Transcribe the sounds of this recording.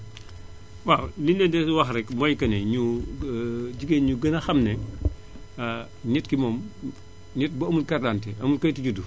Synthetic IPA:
walinːɛdɛswɐxɾɛkmɔːjkɐnɛɲu | ɟiɡenɲuɡɐnɐxɐmnɛ | ɲɛtkimɔːm | ɲɛt̚bɐɐmulkɐrdantɛɐmulkɐjtiɟudu

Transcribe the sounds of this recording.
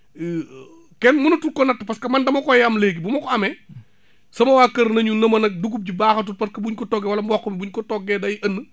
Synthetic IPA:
kɛnmunɐtukɔnɐtːəpɐskɐmɐndɐmɐkɔjamleːɡibumɐkɔɐmɛ | sɐmɐwaːkɐɾnɐɲunɐmɐnɐk̚duɡ̬up̚ɟibaːxɐt̬utpɐskɐbuɲkɔtɔɡɛwɐlɐmbɔkːɔmibuɲkɔtɔɡɛdɐjiʔɐnːə

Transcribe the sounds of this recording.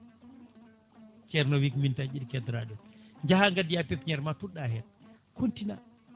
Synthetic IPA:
t͡ʃɛɾnɔwikmintad͡ʒiɗkɛdɾaɗɔɲd͡ʒahaŋɡadijapɛtɲɛɾmatuɗaɦɛt̚ | kʰuntina̰

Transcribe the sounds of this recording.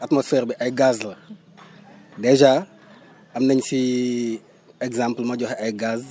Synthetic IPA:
ɐtmɔsfɛɾbiʔɐjɡazlɐ | dɛʒa | ɐmnɐɲsi | ɛɡzãmplmɐɟɔxɐjɡaz

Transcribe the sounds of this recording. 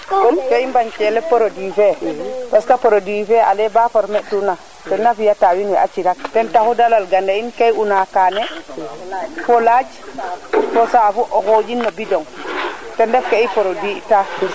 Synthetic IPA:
kɔmkeimbaɲt͡ʃɛlɛpɔɾodifɛpaskapɔɾodifɛa̰lɛbafɔɾmɛʔtuna | tɔnːafijatawinwɛat͡ʃiɾak̚tɛntahudalalɡandainkajunakaːnɛ | fɔlad͡ʒ | fɔsafuʔɔkod͡ʒinːɔbidɔŋtɛndɛfkeipɔɾodita

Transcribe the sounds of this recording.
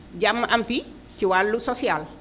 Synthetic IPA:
ɟamːaʔampi | tiwalːusosial

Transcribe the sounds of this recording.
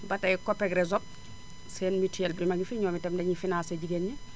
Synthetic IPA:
bataikopeɡɾezop̚ | seːnmitielbimaɡifiɲoːmitemdeɲifinaːseɟiɡenːi

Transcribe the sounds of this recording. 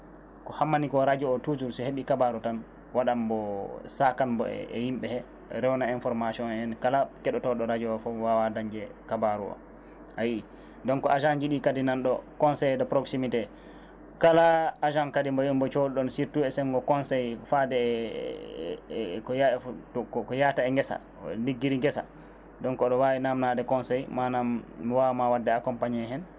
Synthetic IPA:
kɔhamːanikɔɾad͡ʒɔːtud͡ʒuɾsiheɓikabaɾutan | waɗambɔsakanbɔ̰ɛ̰ɛ̰himɓɛhɛ | ɾɛwnainfɔɾmasiɔnɛnkalakɛɗɔtɔɗɔɾad͡ʒɔɔfɔwawadaɲd͡ʒɛkabaɾṵwa̰ | ajii | dɔnkɔaʒanɡiɗikadinanɗɔkɔnsɛjdɔpɾoksimitɛ | kalaad͡ʒamkadimbɔjumbɔt͡ʃoduɗɔnsiɾtuɛsɛŋɡɔkɔnsɛjfadɛ | kɔaɔkɔkɔjataɛŋɡɛsa̰ | niɡːiɾiŋɡɛsa̰ | dɔnkɔɗɔwawinamnadɛkɔnsɛjmanamːiwawmawadːɛakɔmpaɲiɛɦɛn

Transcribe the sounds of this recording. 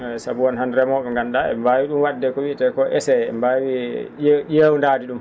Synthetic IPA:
sabuɔnhandɾɛmɔɓɛŋɡanɗaɛ̰mbawiɗumwadːɛkɔwitɛkɔʔɛsɛɛ̰mbawi | ɗewndaːdiɗum

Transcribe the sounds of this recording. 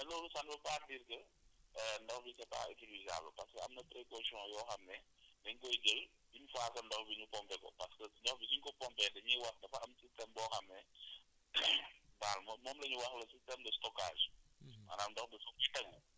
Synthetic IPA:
nɐloːlusɐnbɐpaːdiɾkɐ | ndɔxbisɐta̰ːʔḭsiɾviza̰ːblə̰pɐskɐɐ̰mnɐpɾekosiɔ̃jɔːxɐmnɛndɐɲkɔjɡel | biɲufaːsɐndɔxbiɲupɔmpɛkɔ̰pɐskəɲɔxbisiɲkɔpɔmpɛdɐɲiwɐxdɐfɐɐmsistɛmbɔːxɐmnɛ | balmɔmɔːmlɐɲuwɐxlɐsistɛmdɐstɔka̰ːʒma̰ːnamdɔxdɐsɔfijtɐɡu

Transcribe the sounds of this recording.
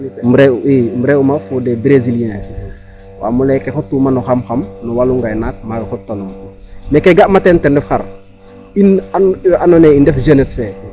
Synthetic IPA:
muɾeimbuɾeumafudebɾeziline | wa̰mulekexutːumanuxamxamnuwaluŋɡajnak̚maɡxotːanumekeɡaʔmatentendɛfxa̰ɾ | inaanoneindefʒenesfe

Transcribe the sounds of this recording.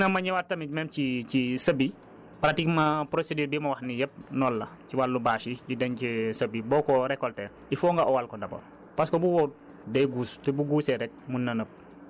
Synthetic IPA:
nɐmɐɲiwatɐmimɛːmcicisɐbi | pɾatikmɐpɾosedyːɾbimɐwɐxnijɛp̚nɔlːɐciwalːubaːʃicidɛncisɐbibɔːkɔɾɛkɔltɛː | ifɔːŋɡɐʔɔwalkɔndɐbɔ̰ | pɐskɔbuwɔt̚ | dɛjɡuːstɛbuɡuːsɛɾɛk̚munːɐnəp̚

